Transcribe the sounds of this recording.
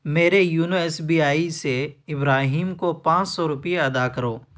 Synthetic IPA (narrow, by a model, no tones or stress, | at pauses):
meːɾejuːnoɛsbiːaːiseɪbɾaːɦiːmkopãːt͡ʃsɔɾʊpijeɐd̪akəɾoː